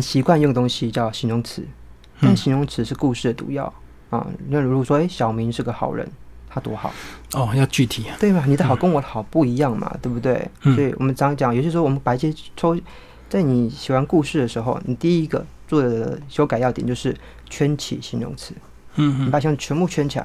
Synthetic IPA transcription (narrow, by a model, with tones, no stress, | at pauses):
ə˦nɕi˧˥kwa˥˧njo˥˩ŋə˩t̪o˥ŋɕi˧t͡ɕjɑ˥˩ʊɕi˧˥nɻʊ˧˥ŋt͡sʰɹ̩˧˦ | a˥˩ɕi˧˥nɻʊ˧˥ŋt͡sʰɹ̩˧˥ʂɻ̩˥˧ku˥˧ʂɻ̩˥˩d̪ə˩t̪ṵ˧˥jɑ̰˥˩ʊ | ɐ̰˥˩˧ɻɡɔ˨˩ʂwɔ˥e˧˥ɪɕjɑ˨˩ʊmi˧˥ŋʂɻ̩˥˩ɡə˩xɑ˨˩ʊɻə̰˧˦nt̪ʰa˥t̪wɔ˧˥xɑ̰˨˩˦ʊɔ˥˩jɑ˥˧ʊt͡ɕy˥˨t̪ʰi˨˩˦t̪we˥˩ɪba˨˩ni˨˩d̪ə˦xɑ˨˩ʊkə˧˥ŋwɔ˧˦d̪ə˧˩xɑ˨˩ʊpu˥˩i˧˥jɑ˥˩ŋmɐ̰˩t̪we˥˩bu˧t̪we˥˩ɪsɔ˧˥i˨˩wɔ̰˨mə˦nt͡sɑ˨˥ŋ˥t͡ɕjɑ˨˦ŋjo˨˩ɕj̩˥˧˥wmə˧˦npa˨˩i˥˩ɕjɛ˥ʈ͡ʂʰo˥ʊ | t͡sa˥˩ɪni˨˩ɕi˨˩xwa˧˥nku˥˧ʂɻ̩˥˩d̪ə˩ʂɻ̩˧˥xo˥˧ʊni˨˩t̪i˥˧i˦˥ɡə̰˨ | t͡swɔ˥˩d̪ə˩d̪ə˨ə˦ɕjo˥ʊka˨ɪjɑ˥˩t̪jɛ˨˩nt͡ɕjʂɻ̩˥˩ | t͡ɕʰɥɛ˥nt͡ɕʰḭ˨˩ɕi˧˥nɻʊ̰˧˥ŋt͡sʰɹ̩˧˦˨ | n˨pa˨˩ɕt͡ɕʰɥɛ˧˥npu˥˩t͡ɕʰɥɛ˥nt͡ɕʰi˨˩a̰˧˦ɪ